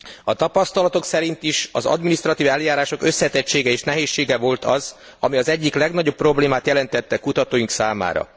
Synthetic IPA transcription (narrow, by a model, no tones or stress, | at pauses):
ɒt̪ɒpɒst̪ɒlɒt̪o̞ksɛɾint̪iʃɒzɒ̰d̪minist̪rɒt̪iːvɛljaːɾaːʃo̞kø̞sːɛt̪ɛct͡ʃːeːɡɛeːʃnɛɦeːʃːeːɡɛvo̞lt̪ɒz | ɒmiɒzɛɟːiklɛɡnɒɟo̞pːro̞bleːmaːt̪jɛlɛnt̪ɛt̪ːɛkut̪ɒt̪oːjiŋksaːma̰ːɾɒ̰